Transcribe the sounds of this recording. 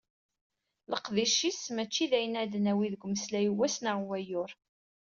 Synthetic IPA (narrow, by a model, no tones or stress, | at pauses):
ləqðiʃismæt͡ʃːiðæjənæd̪ənæwiðəɡʷməslæjəwæsnaʁwæjʊɾ